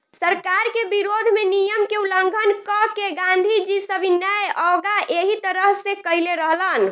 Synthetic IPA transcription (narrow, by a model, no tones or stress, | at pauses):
səɾkaɾkebiɾod̪ʱmenijəmkeuləŋɡʱənkɔkeɡãnd̪ʱid͡ʒisəbʱinəjɔɡaʔeɦit̪əɾəɦsekəileɾəɦlən